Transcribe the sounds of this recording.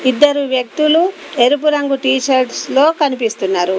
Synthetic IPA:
id̪ːɐɾuʋjɐk̚t̪ulu | eɾup̬uɾɐŋɡuʈiːt͡ʃɐɾɖslo̞ːkɐnipist̪unːaːɾu

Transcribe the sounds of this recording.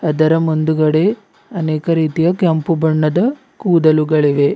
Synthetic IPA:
ɐd̪ɐɾɐmund̪uɡɐɽe | ɐneːkɐɾiːt̪ijɐkɐmpubɐɳːɐd̪ɐ | kuːd̪ɐluɡɐɭiʋe̞

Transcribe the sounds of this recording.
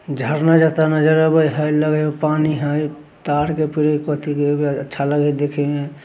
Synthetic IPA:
d͡ʒʱəɾnad͡ʒət̪anəd͡ʒəɾəbəjɦəjləɡəopaniɦəj | t̪aɾkepiɾekot̪ikebiətːʃʰaləɡəd̪ekʰeẽ

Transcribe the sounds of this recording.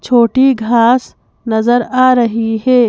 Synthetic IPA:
t͡ʃʰoːʈiɡʱaːs | nɐzəɾaːɾɐɦiɦeː

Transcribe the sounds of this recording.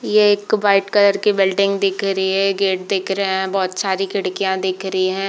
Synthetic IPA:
jeeːkbaːɪʈkɐləɾkibɪlɖɪ̃ŋɡd̪ɪːkʰɾɐɦiɦɛ̃ɡeːʈ̚d̪eːkʰɾɐɦeɦɛ̃bɔːt̪saːɾikɪɽkijãd̪ɪːkʰɾɐɦiɦɛ̃ː

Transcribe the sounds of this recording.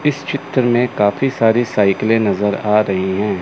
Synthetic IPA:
ɪst͡ʃɪt̪ɾəmẽkaːfisaːɾisaːɪklẽnɐzəɾaːɾɐɦiɦɛ̃ː

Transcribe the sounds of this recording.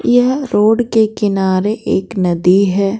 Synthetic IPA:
jɐɦɾoːɽkekɪnaːɾeʔeːknɐd̪iɦɛː

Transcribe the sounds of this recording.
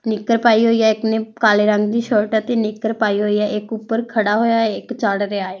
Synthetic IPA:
nɪkːəɾpaːiɦoːiːjaːɪknẽːkaːleːɾəŋɡd̪iːʃəɾʈət̪eːnɪkːəɾpaːiɦoːiːaːʔɪkʊpːəɾkʰəɽaːɦoːjaːɪkt͡ʃaːɽɾeaːaː

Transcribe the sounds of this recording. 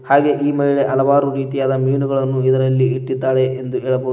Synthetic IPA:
haːɡe̞ʔiːmɐɦiɭe̞ʔɐlɐʋaːɾuɾiːt̪ijaːd̪ɐmiːnuɡɐɭɐnːuid̪ɐɾɐlːiiʈːid̪ːaːɽe̞ʔend̪ueːɭɐboːdu

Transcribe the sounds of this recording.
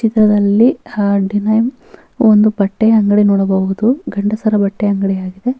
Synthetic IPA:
t͡ʃit̪ɾɐd̪ɐlːiɖinɐjm | ond̪ubɐʈːeɐŋɡɐɽinɔːɽɐbɐud̪uɡɐɳɖɐsɐɾɐbɐʈːeɐŋɡɐɽiaːɡid̪e

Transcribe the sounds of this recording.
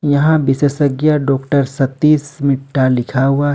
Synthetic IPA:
jɐɦãbɪseːsəɡjaɖɔːkʈəɾsɐt̪ːiːsmɪʈʰːalɪkʰaɦua

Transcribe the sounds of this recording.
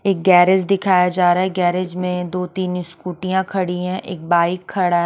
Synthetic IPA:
eːk̚ɡɛːɾɪd͡ʒd̪ɪkʰaːjad͡ʒaːɾaːɦɛɡɛːɾɪd͡ʒmẽd̪oːt̪iːnskuːʈijãkʰɐɽiɦɛ̃ʔeːk̚baːɪkʰːɐɽa

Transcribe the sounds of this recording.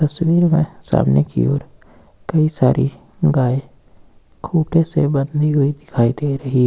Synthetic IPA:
t̪ɐswiːɾmẽsa̰ːmnekḭoːɾ | kɐisa̰ːɾʔḭ | ɡaːe | kʰuːʈʰesebə̃nd̪iɦʊid̪ɪkʰaːid̪eɾɐɦi

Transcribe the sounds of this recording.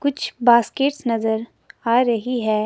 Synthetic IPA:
kʊt͡ʃʰbaːskeːʈsnɐzəɾ | aːɾɐɦiɦɛː

